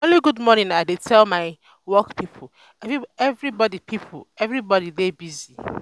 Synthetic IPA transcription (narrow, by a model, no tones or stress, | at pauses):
oliɡudmɔnĩnaɪdetʰɛlmaɪ | wɔkpipʰʊ | ɛvɹibɔdipʰipʰʊ̰lɛvɹibɔdidebizi